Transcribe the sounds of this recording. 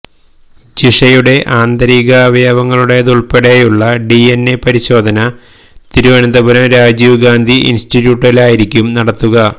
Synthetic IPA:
t͡ɕiʂɐjuɽe̞ʔaːnd̪ɐɾiːɣɐːʋɐjaːbɐŋːɐɭuɽe̞ðuɭpeɽejuɭːɐɖienːepɐɾiɕo̞ːd̪ʱɐnɐ | t̪iɾuʋɐnɐnd̪ɐbɐɾɐmɾaːd͡ʑiʋɡaːnd̪ʱiʔḭnsʈitːjuːʈːɐlaːjiɾikʲːumnɐɽɐt̪ːuɣɐ

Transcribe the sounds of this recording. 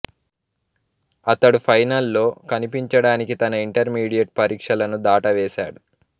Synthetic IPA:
ɐt̪ɐɽupʰɐjnɐlːo̞ːkɐnipiɲt͡ʃɐɽaːnikit̪ɐnɐiɳʈɐɾmiːɽijɐʈ̚pɐɾiːkʂɐlɐnud̪aːʈɐʋɛːʃa̰ːɽu

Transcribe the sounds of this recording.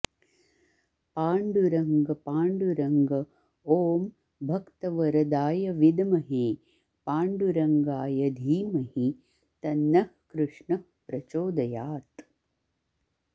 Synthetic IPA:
paːɳɖuɾɐŋɡɐpaːɳɖuɾɐŋɡɐ | oːm | bʱɐkt̪ɐʋɐɾɐd̪aːjɐʋid̪ɐmɐɦeː | paːɳɖuɾɐŋɡaːjɐd̪ʱiːmɐhi | t̪ɐnːɐhkɾuʂɳɐhpɾɐt͡ʃoːd̪ɐjaːt̪

